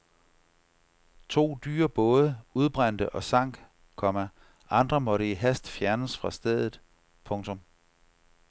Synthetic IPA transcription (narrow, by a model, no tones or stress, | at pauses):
t͡sʰo̝̰ːd̥y̰ːɐb̥ɔ̽ːð̞ˠəuð̞ˠb̥ʁan̰d̥əʔɒ̽sɑ̈ŋ̰ɡ̥ | kʰɒ̽mæ | ʔɑ̈nd̥ʁɐmɒ̽ɾəiɦæsd̥fjæɐnəsfʁɑ̈sd̥eð̞̰ˠð̩ˠ | pʰɔ̽ŋt͡sʰɔ̽m